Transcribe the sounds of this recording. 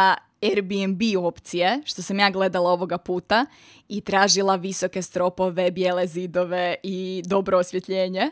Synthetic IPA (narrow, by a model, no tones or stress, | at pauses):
eɾbiembio̞pt̪sijeʃt̪o̞samjaːɡle̞d̪alˠao̞ʋo̞ɡapuːt̪a | it̪ɾaːʒilˠaʋiso̞ke̞st̪ɾo̞po̞ʋe̞bjeːlezid̪o̞ʋe̞id̪o̞bɾoːsʋje̞t̪ʎeːɲe̞